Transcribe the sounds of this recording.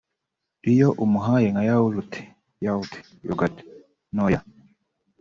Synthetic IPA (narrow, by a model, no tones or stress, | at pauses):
ijoʔumuɦajeŋajauɾutʰe̥ | jautʰe̥ | joɡate̥ | noja